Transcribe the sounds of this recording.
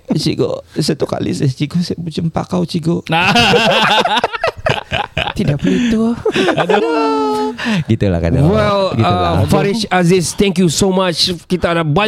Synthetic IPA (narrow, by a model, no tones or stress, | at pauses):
t͡ʃḭɡo̰sət̪uka̰lḭsest͡ʃiɡosəbut͡ʃəmpa̰kawt͡ʃiɡoa | t̪idaʔpəlit̪udo | ɡit̪ula̰ka̰da̰wɛlɡiafaɾiʃazɪst̪ɛ̃ŋkjusomat͡ʃkit̪adaba